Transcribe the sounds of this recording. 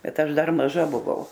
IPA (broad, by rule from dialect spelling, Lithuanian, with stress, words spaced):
ˈbʲɛt ˈɐʃ ˈdɐr mɐˈʒɐ bʊˈʋɐʊ